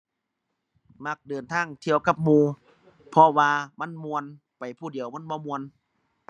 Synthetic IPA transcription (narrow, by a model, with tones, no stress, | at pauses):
ma˧˩k̚dɤː˨˩nt̪ʰaː˧˥˩ŋt̪ʰi˧əwka˧p̚muː˧ | pʰɔ˧waː˧ma˧˥˨nmu˧ən | pa˨˩jpʰuː˧˩di˨˩əwma˧˥˨nbɔː˧˨mu˧ən